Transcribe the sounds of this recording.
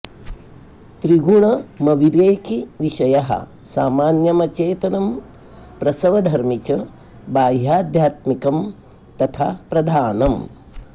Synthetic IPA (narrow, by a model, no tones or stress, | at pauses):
t̪ɾiɡuɳɐmɐʋiʋeːkiʋiʃɐjɐɦɐ̰ | saːmaːnjɐmɐt͡ʃeːt̪ɐnɐm | pɾɐsɐʋɐd̪ʱɐɾmit͡ʃɐ | baːjjaːd̪ʱjaːt̪mikɐm | t̪ɐt̪ʰapɾɐd̪ʱaːnɐm